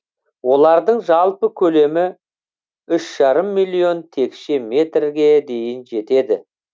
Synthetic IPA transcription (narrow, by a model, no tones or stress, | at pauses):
wo̞lˠɑɾd̪əɴʒɑlˠpəkʲʰɵle̞mɪ | ʏʃʒ̥ɑɾəmːijlʲˠijo̞nt̪ʰe̞kʃeme̞t̪rɡʲe̞d̪e̞jɪnʒe̞t̪e̞d̪ɪ